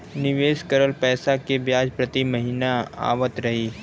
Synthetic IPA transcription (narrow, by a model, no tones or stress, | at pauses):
nɪʋeːskəɾəlpɛːsakebjaːd͡ʒpɾɐt̪imɐɦiːnaa̰ːʋət̪ɾɐɦiː